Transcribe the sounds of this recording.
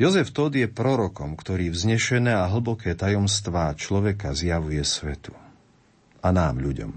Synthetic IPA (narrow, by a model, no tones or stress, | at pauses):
jɔzɛft̪ɔd̪jɛpɾɔɾɔkɔmkt̪ɔɾiːvzɲɛʃɛnɛːaɦl̩bɔkɛːt̪ajɔmst̪ʋaːt͡ʃlɔʋɛkazjaʋujɛsʋɛ̰t̪u̥ | anaːmʎuɟɔ̰m